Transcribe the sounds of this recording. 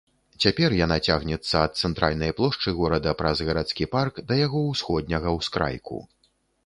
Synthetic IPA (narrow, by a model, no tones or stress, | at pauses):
t͡sʲapʲɛrjanat͡sʲaɣnʲɛt̪sːɐːt̪̚t̪sɛnt̪ɾa̰lʲnɐjplˠɔʂt͡ʂɨɣɔɾɐd̪ɐpɾɐzɣɐɾat̪skʲiparkd̪ɐjaɣɔwsxɔd̪̚ʲnʲɐɣɐwskɾa̰jkṵ